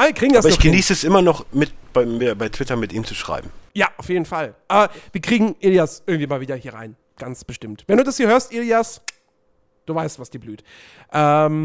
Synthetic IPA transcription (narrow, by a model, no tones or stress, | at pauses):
ʔaviːɐkʁ̥iːɡŋ̩dasbɐɪnɔçɡ̥əniːsəɛsʔɪmɐnɔχmɪtb̥aɪbaɪtʰv̥ɪtɐmɪtḭːmt͡suʃʁ̥a̰ɪbm̩jaːʔaʊfjeːdn̩falʔaːbɐv̥iːɐkʁ̥iːɡŋ̩ʔiliasʔɪɐɡŋ̩tv̥iːmaːlviːdɐhiːɐʁa̰ɪn | ɡ̥ansb̥əʃtɪmtvɛnduːdashiːɐhøːɐstʔilias | d̥uːvaɪstv̥asd̥iːɐblyːt | ʔɛm